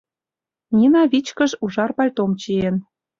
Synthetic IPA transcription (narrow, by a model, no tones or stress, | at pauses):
nʲinɑβit͡ɕkə̆ʒuʒɑrpɑlʲt̪omt͡ɕien